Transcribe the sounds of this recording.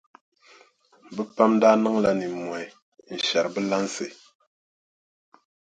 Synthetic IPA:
bə˦pa˦mn˦da˦nɨ˦ŋla˦ni˨mwa˨ | n̩˨ʃa˨ɾbə˦la˦nse˨

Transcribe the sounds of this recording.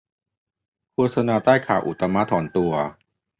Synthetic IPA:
kʰuː˧t̚sa˧naː˧t̪aː˥˩jkʰaː˩wʔṵ˨˩t̪a˧ma˦˥t̪ʰɔː˩˦nt̪u˧ɐ

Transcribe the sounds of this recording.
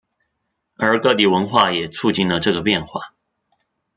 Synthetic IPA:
ə˞˧˥kɤ˥˩t̪i˨˩wə˧˥nxwa˥˩jɛ˨˩t͡sʰu˥˧t͡ɕi˥˩nlə˨ʈ͡ʂɤ˥˩ɡə˩pjɛ˥˧nxwa̰˥˩

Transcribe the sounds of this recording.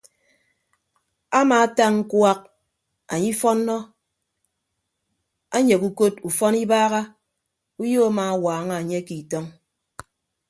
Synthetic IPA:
a˦maː˨˦ta˦ŋŋ̩˦kwa˦k̚ | a˨ɲi˦fɔ˦nːɔ˦ | a˦ɲe˨ku˦ko˦tu˨fɔ˦ni˦baː˦ɣa˦ | u˦jo˦a˦maː˨a˦˨waː˨˦ŋa˦˨ɲe˦ki˨tɔ˦ŋ

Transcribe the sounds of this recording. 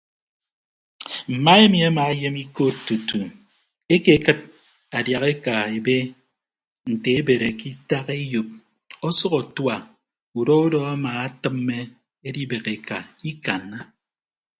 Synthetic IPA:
m̩˨ma˦e˦mi˨a˦ma˨e˦je˦mi˦ko˦ttːu˨tu˨ | e˦ke˨kɨ˦t̚ | a˨dja˨ɣe˦ka˨e˨be˦ | n̩˨te˨e˦be˨ɾe˨ki˦ta˦ke˦jo˨p̚ | ɔ˦sɔ˦ɣɔ˨twa˨ | u˨do˦o˦dɔ˦a˦maː˨a˦tɨ˦mːe˦ | e˦di˦be˨ke˨ka˨i˦ka˨nːa˦

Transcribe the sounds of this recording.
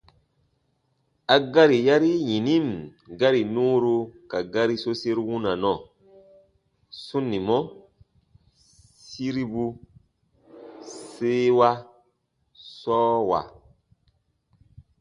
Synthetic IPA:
a˨ɡa˦ɾi˨ja˦ɾi˦jĩ˨ni˦mɡa˦ɾi˨nũ˦ɾu˦ka˨ɡa˦ɾi˦so˦se˦ɾwu˦na˨nɔ˨ | su˦nːi˨mɔ˦ | si˦ɾi˦bu˦ | se˦wa˦ | sɔː˦wa̰˨

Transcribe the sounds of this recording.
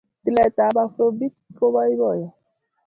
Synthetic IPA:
ti˨lɛ˨t̪a˨˦ba˦fo˦bi˦t̚ko˦ba˦i˦bɔ˦˨jɔ˨

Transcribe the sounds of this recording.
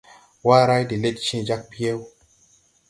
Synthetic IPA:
wa˦ɾa˦jdi˨le˦t̚t͡ʃĩ˦d͡ʒa˦k̚pi˦je˦w

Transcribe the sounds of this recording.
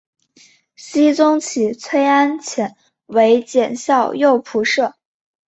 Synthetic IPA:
ɕi˥t͡sʊ˥ŋt͡ɕʰi˨˩t͡sʰwe˥ɪa˥nt͡ɕʰjɛ˨˩n | we˧˥ɪt͡ɕjɛ˨˩nɕjɑ˥˧ʊjo˥˩ʊpʰu˧˥ʂɤ˥˩

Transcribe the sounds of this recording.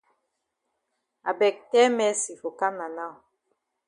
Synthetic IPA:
a̰˨bɛ˨k̚tɛ˦mɛ˦si˨fo˨ka˦na˨na˦˨w

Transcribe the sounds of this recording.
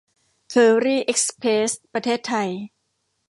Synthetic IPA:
kʰɤː˧ɾiː˥˩ʔe˦˥k̚spʰeː˦˥st̪̚pɾa˧t̪ʰeː˥˩t̪ʰːa˧j

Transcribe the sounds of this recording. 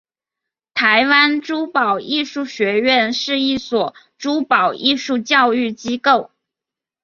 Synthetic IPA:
t̪ʰa˧˥ɪwa˥nʈ͡ʂu˥pɑ˨˩ʊi˥˧ʂu˥˩ɕɥɛ˧˥ɥɛ˥˧nʂɻ̩˥˧i˥˩swɔ˨˩ | ʈ͡ʂu˥pɑ˨˩ʊʔi˥˧ʂu˥˧t͡ɕjɑ˥˧ʊy˥˩t͡ɕi˥ko˥˩ʊ

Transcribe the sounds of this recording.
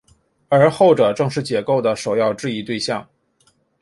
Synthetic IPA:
ə˞˧˥xo˥˩ʊʈ͡ʂɤ˨˩ʈ͡ʂɤ˥˧ŋʂɻ̩˥˩t͡ɕjɛ˧˥ko˥˩ʊd̪ə˩ʂo˨˩ʊjɑ˥˧ʊʈ͡ʂɻ̩˥˧i˥t̪we˥˧ɪɕjɑ˥˩ŋ

